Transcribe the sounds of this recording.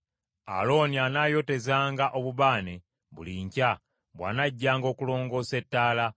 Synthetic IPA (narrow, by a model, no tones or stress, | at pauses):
a̰lo̞ːnianajo̞te̞zaːŋɡaʔo̞βuβaːne | βṵliːɲca | βwa̰ːnaɟːaːŋɡo̞ːkulo̞ːŋɡo̞ːse̞tːaːla